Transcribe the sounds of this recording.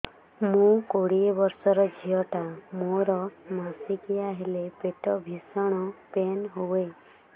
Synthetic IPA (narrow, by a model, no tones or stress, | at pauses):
mũkoɽiebɔɾsɔɾɔd͡ʒʱiɔʈamoɾɔmasikijaɦelepeʈɔbʱisɔɽ̃ɔpenɦowe